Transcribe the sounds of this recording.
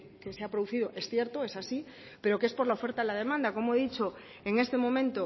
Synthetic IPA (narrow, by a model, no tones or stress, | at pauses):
keseapɾoðuθiðoʔe̞sθje̞ɾt̪oe̞sasi | pe̞ɾo̞keespo̞zlaofe̞ɾt̪aðelaðe̞mãnd̪ako̞moeðit͡ʃo̞ | eŋe̞st̪emõ̞mẽnt̪o